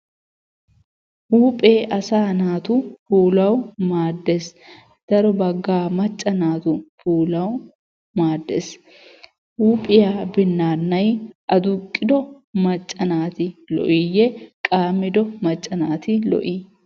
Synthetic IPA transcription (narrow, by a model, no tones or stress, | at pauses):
huːpʼeːʔɐsaːnaːt̪ʊfuːlɐwmaːd̪ːes | d̪̥ɐɾɔbɐɡːaːmɐt͡ʃʼːɐnaːt̪ʊfuːlɐw | maːd̪ːɛs | huːpʼɪjaːbɪnːaːnːɐjʔɐd̪ʊkʼːɪd̪ɔ | mɐt͡ʃʼːɐnaːt̪ɪlɔ̰ʔijɛkʼaːmːɪd̪ɔmɐt͡ʃʼːɐnaːt̪ɪlɔ̰ʔiː